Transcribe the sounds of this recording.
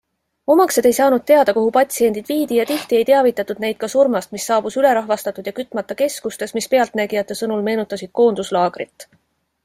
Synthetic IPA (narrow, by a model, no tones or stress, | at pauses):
o̞mɑkse̞d̪ejsɑːnud̪̚t̪ːe̞ɑd̪ɑkoɦupɑt̪ʲsie̞nd̪̥id̪viːd̪̥ijɑt̪iht̪ie̞jt̪eɑvit̪ːˑɑt̪ːˑud̪̥̚ne̞jd̪̥̚kɑsurmɑst̪misːɑːb̥usyle̞ɾɑɦvɑst̪ɑt̪ːˑud̪jɑkyt̪ːˑmɑt̪ːˑɑke̞skust̪e̞smispe̞ɑlt̪næɡijɑt̪ːˑe̞sɤnulme̞ːnut̪ːˑɑsid̪̥̚ko̞ːnd̪̥uslɑːɡ̥ɾit̪ːˑ